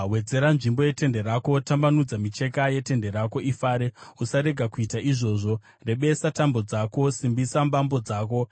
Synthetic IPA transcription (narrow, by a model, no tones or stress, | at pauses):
we̞d͡ze̞ɾanʐimbo̞je̞te̞nde̞ɾako̞tambanud͡zamit͡ʃe̞kaje̞te̞nde̞ɾako̞ʔifaːɾe̞usaɾe̞ɡʱakuitaʔiʐo̞ːʐo̞ | re̞ɓe̞satambo̞d͡zako̞simbisambambo̞d͡zaːko̞